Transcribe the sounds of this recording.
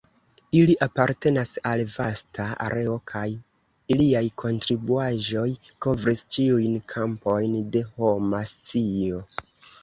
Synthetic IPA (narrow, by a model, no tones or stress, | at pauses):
iliʔapaɾte̞nasalvastaa̰ɾʔe̞o̞kʰaj | iliajkʰo̞ntɾibuaʒo̞j | ko̞vɾist͡ʃiujnkʰampo̞jnde̞ho̞mast͡sio̞